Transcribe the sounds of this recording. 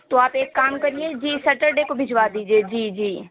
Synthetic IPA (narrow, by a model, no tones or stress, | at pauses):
t̪oaːpeːkːaːmkɐɾied͡ʒiːsɐʈəɾɖekobʱɪd͡ʒʋad̪iːd͡ʒied͡ʒiːd͡ʒiː